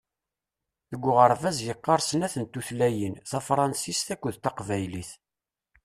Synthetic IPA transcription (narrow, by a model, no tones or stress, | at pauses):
θəɡʷːʊʁəɾˤvæzjəqːɑɾˤsənæθənt̪ːuθlæjənθɑfɾˤɑnsist̪ækʷːʊðt̪ɑqvæjliθ